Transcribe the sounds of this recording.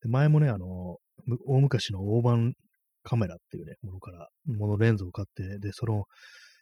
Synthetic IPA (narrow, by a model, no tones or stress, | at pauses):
d̪̥e̞mae̞mo̞ne̞ano̞ | mɯ̟oːmɯ̟kaɕino̞oːbãŋ | kʰame̞ɾat̪ːe̞jɯ̟nemo̞no̞kaɾa | mo̞no̞ɾẽ̞nd͡zoːkat̪ːe̞d̪e̞sono